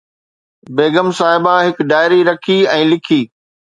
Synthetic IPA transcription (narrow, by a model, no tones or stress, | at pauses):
beːɡəmsaːɦɪbãɦɪkɖaːɪɾiɾɐkʰiɛ̃ːlɪkʰiː